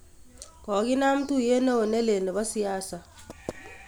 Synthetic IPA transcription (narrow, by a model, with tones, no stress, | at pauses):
kɔ˨˦ki˦na˦m̩˦tu˦je˦no˦o˨nɛ˦le˨nɛ˨βa˦si˦aː˦sa˨